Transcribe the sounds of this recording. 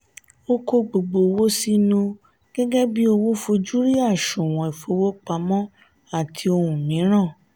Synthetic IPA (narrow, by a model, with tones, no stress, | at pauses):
o˦ko˧ɡ͡bo˨ɡ͡bo˨˧wo˦si˦nũ˧ | ɡ̥ɛ˦ɡɛ˦bi˦o˧wo˦fo˧d͡ʒu˦ɾi˦a˦˨ʃũ˨w̃ɔ̃˨i˨fo˧˦wo˦k͡pa˧mɔ̃˦ | a˦˨tʰi˧o˧hũ˨mĩ˨˦ɾ̃ã˦˨